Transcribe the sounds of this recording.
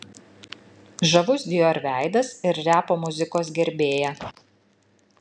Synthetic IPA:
ʒɐʋʊsd̪ʲɪjoːɾʲʋʲæˑɪd̪ɐsɪɾɾʲæːpoːmʊzʲɪkoːsɡʲɛɾʲbʲeːjɛ

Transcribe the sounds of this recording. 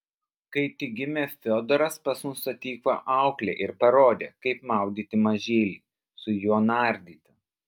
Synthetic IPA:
kɐɪt̪ʲɪɡʲɪmʲeːfʲod̪ɔɾɐspɐsmʊsɐt̪ʲːiːkoːʔɑˑʊklʲḛːʔɪɾpɐɾoːd̪ʲeːkɐɪpmɑˑʊd̪ʲiːt̪ʲɪmɐʒʲeːlʲiː | sʊjoːnɑːˑɾʲd̪ʲiːt̪ʲɪ

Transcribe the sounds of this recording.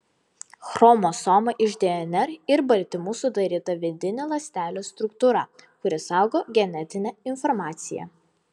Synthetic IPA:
xɾɔmoːsɔmɐʔɪʒʲd̪ʲɛɛnʲɛɾɪɾbɐlʲt̪ʲɪmuːsʊd̪ɐɾʲiːt̪ɐʋʲɪd̪ʲɪnʲelˠɐsʲt̪ʲæːlʲoːst̪ɾʊkt̪uːɾɐkʊɾʲɪsɑˑʊɡoːɡʲɛnʲɛt̪ʲɪnʲɛɪnfɔɾmɑːt̪sʲɪjɛ̰

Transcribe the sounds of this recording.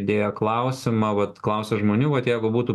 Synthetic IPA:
d̪ʲeːjɛklˠɐʊsʲɪmɐʋɐt̪klˠɐʊsʲɛʒmoːnʲuːʋɐt̪jɛɪɡʊbuːt̪uː

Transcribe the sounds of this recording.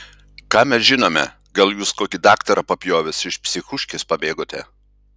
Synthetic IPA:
kɑːmʲɛsʒʲɪnoːmʲɛ̰ | ɡɐlˠjuːskoːkʲɪd̪ɑːkt̪ɐɾɐpɐpʲjoːʋʲɪsɪʃpʲsʲɪxʊʃʲkʲɪspɐbʲeːɡoːt̪ʲɛ

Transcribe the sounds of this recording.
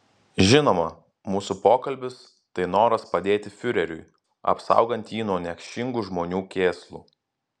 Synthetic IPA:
ʒʲɪnoːmɐ | muːsupoːkɐlʲbʲɪs | t̪ɐɪnoːɾɐspɐd̪ʲeːt̪ʲɪfʲʊɾʲɛɾʲʊ̰j | ɐ̰psɐ̰ˑʊɡɐnʲt̪ʲjiːnoːnʲɛkʲʃʲɪŋɡuˑʒmoːnʲuːkʲeːslˠṵː

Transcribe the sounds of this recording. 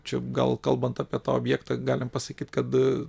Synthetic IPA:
t͡ʃʲɛɡɐ̰lˠkɐlˠbɐnt̪ɑːpʲiɛt̪ɑːoːbʲjæːkt̪ɑɡɑːlʲɪmpɐsɐkʲiːt̪kɐt̪

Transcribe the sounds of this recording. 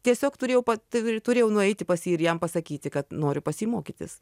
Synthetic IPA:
t̪ʲiɛsʲoːkt̪ʊɾʲeːjɛʊpɐt̪t̪ʊɾʲeːjɛʊnʊɛɪt̪ʲɪpɐsʲiːɪɾjɛmpɐsɐkʲiːt̪ʲɪkɐt̪noːɾʲʊpɐsʲiːmoːkʲit̪ʲɪ̰s

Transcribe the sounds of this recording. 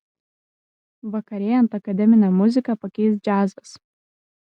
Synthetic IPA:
ʋɐkɐɾʲeːjɐnt̪ɐkɐd̪ʲɛmʲɪnʲɛmʊzʲɪkɐpɐkʲɛɪs̬d͡ʒʲæːzɐs

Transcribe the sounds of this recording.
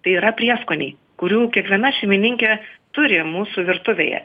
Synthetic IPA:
t̪ɐɪiːɾɐpʲɾʲiɛskoːnʲḭː | kʊɾʲuːkʲiɛkʋʲiɛnɐʃʲɛɪmʲɪnʲɪŋʲkʲɛt̪ʊɾʲɪmuːsuʋʲɪɾt̪ʊʋʲḛjɛ̰

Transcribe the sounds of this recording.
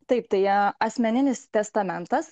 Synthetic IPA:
t̪ɐɪpt̪ɐɪɐɐsʲmʲɛnʲɪnʲɪst̪ʲɛst̪ɐmʲɛnt̪ɐs

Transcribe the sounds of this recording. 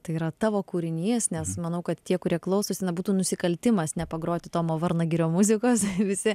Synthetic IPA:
t̪ɐɪiːɾɐt̪ɑːʋoːkuːɾʲɪnʲiːsnʲɛsmɐnɐʊkɐt̪t̪ʲiɛkʊɾʲiɛklˠɐʊsoːsʲɪnɐbuːt̪uːnʊsʲɪkɐlʲt̪ʲɪmɐsnʲɛpɐɡɾoːt̪ʲɪt̪oːmoːʋɐɾnɐɡʲɪɾʲoːmʊzʲɪkoːsʋʲɪsʲɪ

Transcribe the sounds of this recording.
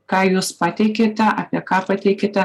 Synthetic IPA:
kɑːjuːspɑt̪ʲɛɪkʲeːt̪ʲɛʔɑpʲiɛkɑːpɐt̪ʲɛɪkʲeːt̪ʲɛ

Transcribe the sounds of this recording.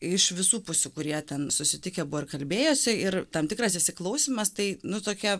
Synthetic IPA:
ɪʃʋʲɪsuːpʊsʲukʊɾʲiɛt̪ʲɛnsʊsʲɪt̪ʲɪkʲɛbʊʋoɪɾkɐlʲbʲeːjoːsʲɪɪɾt̪ɐmt̪ʲɪkɾɐsɪʃʲsʲɪklˠɐʊsʲiːmɐst̪ɐɪnʊt̪oːkʲɛ

